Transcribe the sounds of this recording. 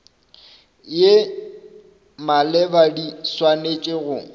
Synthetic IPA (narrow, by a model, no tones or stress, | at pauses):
je | malɛbadiswanet͡ʃʼeɣʊ